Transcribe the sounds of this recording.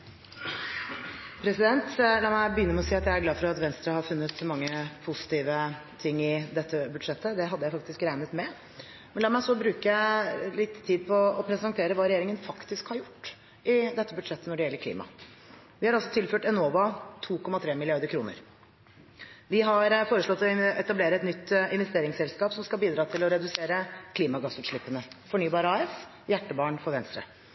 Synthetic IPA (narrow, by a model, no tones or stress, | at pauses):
pʰɾɛsɪd̪ɛnt̪lɑːmæɪbəjʏnːəɾmɛɔsiːɑt̪jæɪæɾɡlɑːfɔɾɑt̪ʋɛnst̪ɾɑhɑɾfʉnːət̪mɑŋːəpʰʊsɪ̥t̪iːʋət̪ʰɪŋːɪd̪ɛt̪ːəbʉd̪ʂɛt̪ːəd̪ɛɦɑd̪ːəjæɪfɑkt̪ɪskɾæɪnət̪mɛ | mɛnlɑːmæɪsɔbɾʉːkəjælɪt̪ʰːiːd̪̚pʰɔːpʰɾɛsɑnt̪ʰeːɾəʋɑːɾɛjeːɾɪŋənfɑkt̪ɪskhɑɾjʊʈː | ɪd̪ɛt̪ːəbʉd̪ʂɛt̪ːənɔɖɛjɛlːəɾkʰlḭːmɑ̰ | ʋɪhɑɾɑlsɔt̪ʰɪlføːʈɛnoːʋɑt̪ʰuːkʰɔmːɑt̪ʰɾeːmɪlɪɑɾd̪əɾkʰɾuːnə̰ɾ | ʋɪɦɑɾfoːɾəʂɭɔt̪ːɔɛt̪ɑbleːɾəɛt̪nʏt̪ːɪnʋɛst̪eːɾɪŋsɛlskɑːpsɔmskɑbiːd̪ɾɑːt̪ʰɪlɔɾɛd̪ʉseːɾəkʰliːmɑɡɑsʉːt̪ʂɭɪpːənəfɔɳyːbɑːɾəɑːɛs | jæʈːəbɑːɳfɔɾʋɛnst̪ɾə̰